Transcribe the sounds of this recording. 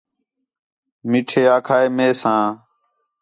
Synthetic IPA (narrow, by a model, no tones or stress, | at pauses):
miːʈʰeːaːkʰaːeːmeːsãː